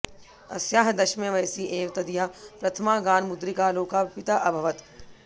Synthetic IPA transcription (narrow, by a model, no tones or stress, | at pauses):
ɐsjaːɦd̪ɐʃmẽʋɐjsiʔeːʋt̪ɐd̪ijaːpɾɐt̪ʰɐmaːɡaːnmʊd̪ɾikaloːkaːpɪt̪aʔɐbʱɐʋət̪